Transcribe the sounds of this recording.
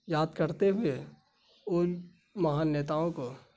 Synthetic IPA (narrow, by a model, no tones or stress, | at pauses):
jaːd̪kəɾt̪eɦʊe | ʊ | mɐɦaːnːeːt̪aːõko